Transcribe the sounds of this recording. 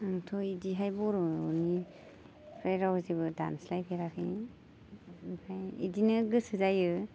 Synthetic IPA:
aŋtʰɔidiɦajbɔɾɔni | pʰɾajɾawzeβɯda̰nslajpʰeɾakʰi | pʰajidinɯɡɯsɯzajɯ

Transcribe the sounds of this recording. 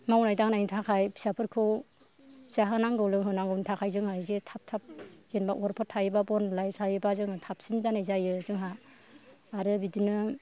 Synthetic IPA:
mawnajtaŋnajntʰakʰajbʰi̥sapʰɯɾkʰɯw | saɦɯnaŋɡɯwlɯŋɦɯnaŋɡɯwntʰakʰajzɯŋhajzetʰap̚tʰap̚z̥enbaʔɔɾpʰɔtʰajɯbabɔnlajsʰajɯbazɯŋatʰap̚sinzanajzajɯzɯŋɦaː | ɾɯbidinɯ

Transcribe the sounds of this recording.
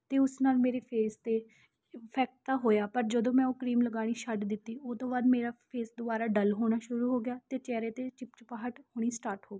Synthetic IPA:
t̪eːʊsnaːlmeːɾeːpʰeːst̪eː | pʰɛːk̚ʈ̚t̪aːɦoːjaːpəɾd͡ʒəd̪õːmɛ̃ːoːkɾiːmləɡaːɽ̃iːʃəɖd̪ɪt̪ːiːot̪õːbaːd̪meːɾaːpʰeːsd̪ʊaːɾaːɖəlɦoːɽ̃aːʃʊɾuːɦoːɡɪjaːt̪eːt͡ʃɛːɾeːt̪eːt͡ʃɪpt͡ʃpaːɦəʈhoːɽ̃iːsʈaːɾʈhoːɡiː

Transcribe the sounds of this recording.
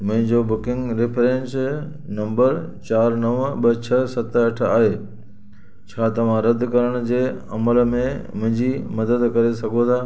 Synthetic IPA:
mʊ̃ɦɪ̃ɲd͡ʑobʊkɪ̃ŋɡɾɪpʰɾẽns | nɐ̃mbəɾt͡ɕaːɾnɐʋɓɐt͡ɕʰɐsɐt̪ɐʈʰa̰ːɦeː | t͡ɕʰaːt̪ɐʋ̤ãɾɐd̪ʱkɐɾəɽ̃d͡ʑeːɐməl̆mẽmʊ̃ɦɪ̃ɲd͡ʑimɐd̪əd̪kɐɾesɐɡʱot̪ʰaː

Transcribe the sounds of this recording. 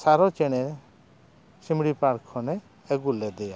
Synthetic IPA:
saɾɔt͡ʃɛɽ̃ɛ | simɽipaɾkʰːɔnɛː | ɡulɛd̪ɛja

